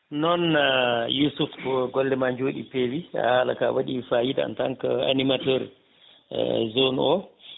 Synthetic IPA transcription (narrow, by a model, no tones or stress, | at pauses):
nɔnjusufɡɔlːɛmaɲd͡ʒoːɗipeːwia̰hala̰ka̰waɗifajida̰ntaŋkaa̰nimatɔɾ | zonɔ